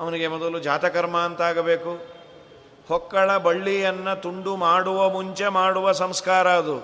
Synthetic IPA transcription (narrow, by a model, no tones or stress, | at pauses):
ɐʋɐniɡe̞mɔd̪ɐlud͡ʒaːt̪ɐkɐɾmɐːnt̪ɐaːɡɐbe̞ːku | hɔkːɐɭɐbɐɭːijɐnːɐt̪uɳɖumaːɽuʋɐmuɲt͡ʃe̞maːɽuʋɐsɐmskaːɾɐɐd̪u